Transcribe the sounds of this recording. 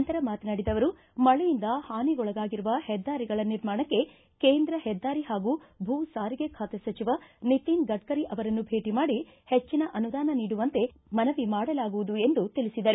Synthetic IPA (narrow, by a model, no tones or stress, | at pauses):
ɐnt̪ɐɾɐmaːt̪naːɽid̪ɐʋɐɾu | mɐɭɛjind̪ɐhaːniɡɔɭɐɡaːɡiɾuʋɐhɛd̪ːaːɾiɡɐɭɐniɾmaːɳɐkːe̞ | keːnd̪ɾɐhɛd̪ːaːɾiɦaːɡubʱuːsaːɾiɡe̞kʰaːt̪esɐt͡ʃiʋɐnit̪inɡɐʈ̚kɐɾiʔɐʋɐɾɐnːubʱe̞ːʈimaːɽi | het͡ʃːinɐʔɐnud̪aːnɐniːɽuʋɐnt̪e̞ | mɐnɐʋimaːɽɐlaːɡuʋud̪ue̞nd̪ut̪ilisid̪ɐɾu